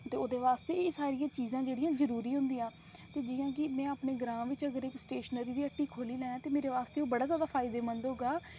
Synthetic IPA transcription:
t̪eːoːd̪eːʋaːst̪eːsaːɾɪjãːt͡ʃiːzãːd͡ʒeːɽijãːzəɾuːɾiːɦʊ̃nd̪ijãː | t̪eːd͡ʒɪːjãːk̬ɪmɛ̃ːaːpɳeːɡɾãːʋɪt͡ʃəɡəɾɪksʈeːʃənəɾiːd̪iːəʈːiːkʰoːliːlɛ̃ːãːt̪eːmeːɾeːʋaːst̪eːoːbəɽaːzjaːd̪aːpʰaːɪd̪eːmənd̪ɦoːɡaː

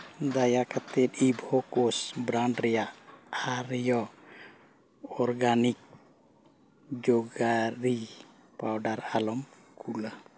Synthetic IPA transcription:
d̪ajakʰat̪ɛt̪ibʱɔkɔsbɾaɳɖɾɛjaʔaɾjɔ | ɔɾɡanik̚ | d͡ʒɔɡaɾi | pawɖaɾalɔm | kʰula

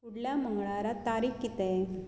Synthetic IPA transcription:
uɽlaːmɐŋɡɐɭaːɾat̪aːɾikːit̪e

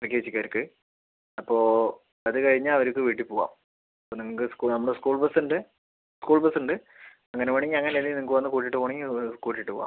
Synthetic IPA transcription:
ɐrik̬ʲːeet͡ɕːikʲːaːɾɨkːɨ | ɐpːo̞ː | ɐðɨkɐɻiɲːaɐʋɐɾukːɨʋiːʈːipoːɣa̰ːm | ɐpːoːniŋːɐkɨskunɐmːɐɽɨskuːɭbɐsuɳɖɨ | skuːɭbɐsuɳɖɨ | ɐŋːɐneʋoɳiŋːɡɨɐŋːɐnenːiniŋɐkːɨʋɐnːɨkuːʈ̬ːiʈːɨpoːɳiŋːɨkuːʈːiʈːɨpoːɣa̰ːm

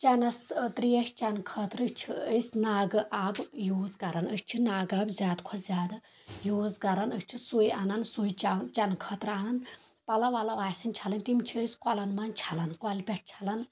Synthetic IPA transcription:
t͡ʃɐnɐst̪ɾijɐʃʲt͡ʃɐnkʰət̪ɾɨt͡ʃʰiəsʲnaːɡɨʔaːbjoːzkɐɾɐnəsʰʲt͡ʃʰinaːɡaːbzʲjaːd̪kʰɔszʲjaːd̪a | joːzkɐɾɐnət͡ʃʰisujanɐnsujt͡ʃant͡ʃɐnkʰət̪ɾaːnɐn | pɐlɐʋalɐʋaːsɨnʲt͡ʃʰalɐnʲt̪imt͡ʃʰiəsʲkɐlɐnmant͡ʃʰɐlɐnkwɔlʲpʲɛʈ̚ʰt͡ʃʰalɐn

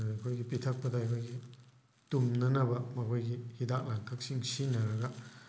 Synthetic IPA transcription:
akʰojɡipit̪ʰɐk̚pɐdaakʰojɡi | tumnɐnɐbɐmɐkʰojɡihidak̚laŋkʰak̚siŋsinɐɾɐɡɐ

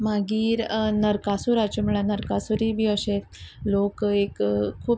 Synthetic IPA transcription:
maɡiːɾnəɾkasuɾat͡ɕuməɭanəɾkasuɾibʱiːəɕetlokekʰːuː

